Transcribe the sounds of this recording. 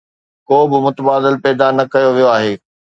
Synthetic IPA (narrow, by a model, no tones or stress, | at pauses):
koːbɪmʊt̪əbaːd̪ɪlpɛːd̪anɐkɐjoʋijoaːɦeː